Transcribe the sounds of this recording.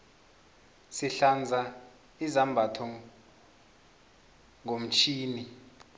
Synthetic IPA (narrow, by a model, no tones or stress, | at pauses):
siɬand͡zʱa | izambʱatʰɔ | ŋom̩t͡ʃʰiːni